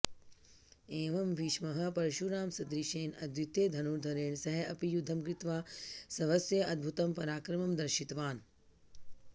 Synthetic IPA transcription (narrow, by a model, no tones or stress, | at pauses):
eːʋɐmʋiːʃmɐɦɐ̆pɐɾɐʃuɾaːmsɐd̪ɾiʃeːnɐd̪jut̪eːd̪ʱɐnuɾd̪ʱɐɾeːɳsɐɦɐʔɐpijud̪ʱːɐmkɾit̪ʋaːsɐʋɐsjɐʔɐd̪̚bʱut̪ɐmpɐɾaːkɾɐmɐmd̪ɐɾʃit̪ʋaːn